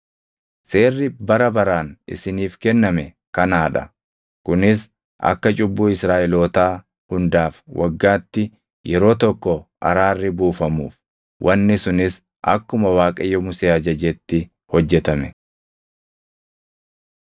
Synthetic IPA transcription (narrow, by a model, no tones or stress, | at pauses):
se̞ːrːɪbɐɾɐbɐɾaːnɪ̰sɪniːfkɛnːɐmɛ | kɐnaːᶑɐ | kʊnɪs | ʔɐ̰kːɐt͡ʃʼʊbːuːɪsɾaːʔɛloːt̪aː | hʊnd̪aːfwʔɐɡːaːt̪ːɪ | jɛɾo̞ːt̪ɔkːɔʔɐ̰ɾaːrːɪbuːfɐmṵːf | wʔɐnːɪsʊnɪs | ʔɐ̰kːʊmɐwaːkʼɐjːɔmʊseːɐd͡ʒɐd͡ʒɛt̪ːɪ | hɔd͡ʒːɛt̪ɐmɛ